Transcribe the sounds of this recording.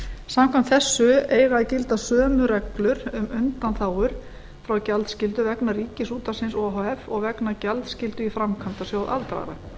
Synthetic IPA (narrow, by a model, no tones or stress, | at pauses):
samkʰvamt̪θɛsːʏeːjɾaðcɪlt̪asœːmʏɾɛklʏɾ̥ʏmʏnt̪anθaːwʏɾ̥ | fɾawcalt̪scɪlt̪ʏvɛknaɾiːcɪsuːt̪asɪnsɔɦɔɛfɔɣvɛknacalt̪scɪlt̪ʏifɾamkʰant̪asjaːwðʔa̰lt̪ɾa̰ːɾa̰